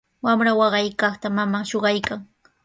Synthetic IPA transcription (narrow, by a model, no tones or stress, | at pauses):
wamɾawɑɢɑjkɑχt̪amamaʃoɢɑjkaŋ